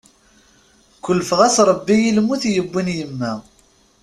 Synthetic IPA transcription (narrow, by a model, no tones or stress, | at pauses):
kʷːəlfəʁæsɾˤəbːijilmuθjəbːinjəmːæ